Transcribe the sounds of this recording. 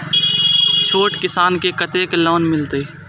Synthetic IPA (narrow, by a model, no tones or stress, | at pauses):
t͡ʃʰoːʈkɪsaːnkekɐt̪eːkelɔːnmɪlt̪eː